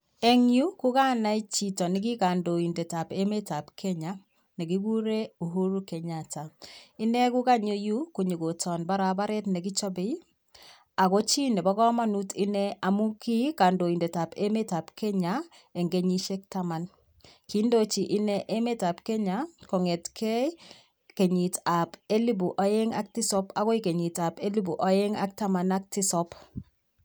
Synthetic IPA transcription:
e˦ŋju˦ku˦ka˦na˦i˦t͡ʃi˨tɔ˨ni˦k̬i˦ka˨ndo˨i˨nde˨ta˨pe˦me˦ta˨pkʰɛ˦ɲa˦ | ne˨ki˦ɡu˦ɾe˦u˨ɦo˦ɾu˦ke˨ɲa˨ta˨i˦ne˦ku˦ka˦ɲo˦ju˦ku˨ɲi˨ɡo˨tʰɔ˨nba˦ɾa˨ba˦ɾe˦tne˨ki˦t͡ʃɔ˦be˦ | a˨ko˦t͡ʃi˦ne˨bɔ˦kɔ˦ma˦nu˦ti˦nɛ˦a˨mu˦ki˦ka˨ndo˨i˨nde˨ta˨pe˦me˦ta˨pke˦ɲa | e˨ŋɡe˦ɲi˦ʃe˦k̚tama˨n | ki˦ndo˦t͡ʃi˨ʔɪ˦nɛ˦ʔe˦me˦ta˨pke˦ɲakɔ˨ŋe˨tkʰɛ˦ | ke˨ɲi˨ta˨pe˦li˦bu˨ʔa˨je˦ŋa˦k̚ti˦sɔ˦pa˦kɔ˦ike˨ɲi˨ta˨pe˦li˦bu˨ʔa˨jɛ˦ŋa̰˦k̚ta˦ma˨nak̚ti˦sɔp

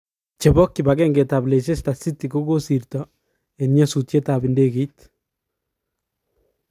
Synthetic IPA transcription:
t͡ʃe˨bɔ˦kːibaɡɛŋɡe˨ta˨ble˨s̬e˦sta˨si˦t̪iko˦ɡo˦si˨rt̪ɔ | enɲɔsu˨tje˦tabi˨ndeke˨˦t̪

